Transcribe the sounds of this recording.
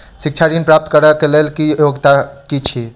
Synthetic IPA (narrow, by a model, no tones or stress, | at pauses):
sik̚t͡ʃʰadinpɾap̚t̪kəɾəkelelkiəjoɡt̪akit͡ʃʰi